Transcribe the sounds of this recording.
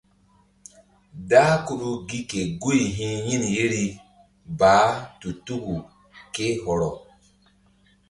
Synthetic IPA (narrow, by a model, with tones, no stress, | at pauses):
daː˦ku˦ɗu˦ɡi˦ke˨ɡu˦jɦĩ˦ji˦nje˦ɾi˦ | baː˨˦tu˨tu˦ɡu˨ | ke˦ɦɔ˨ɾɔ˨